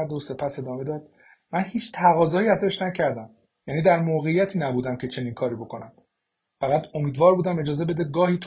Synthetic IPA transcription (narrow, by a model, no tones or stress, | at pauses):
ɾd̪ose̞pʰæse̞d̪ɒːme̞d̪ɒːd̪̥ | mænhiːt͡ʃʰt̪ʰæɣɒːzɒːjiːæzæʃnæcʰæɾd̪æm | jæːniːd̪æɾmoːɣe̞ijæt̪ʰiːnæbuːd̪æmcʰe̞t͡ʃʰe̞niːnkʰɒːɾiːbokʰo̞næm | fæɣæd̪o̞miːd̪vɒːɾbuːd̪æme̞d͡ʒɒːze̞be̞d̪eɡɒːhiːt̪ʰ